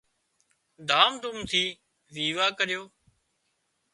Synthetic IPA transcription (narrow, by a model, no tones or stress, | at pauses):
d̪aːmd̪ʊmt̪ʰiː | ʋiːʋaːkəɾɪjoː